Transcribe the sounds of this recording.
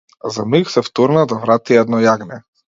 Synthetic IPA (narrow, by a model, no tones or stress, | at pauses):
zamiksɛft̪ɔɾnad̪avɾat̪iɛd̪nɔjaɡnɛ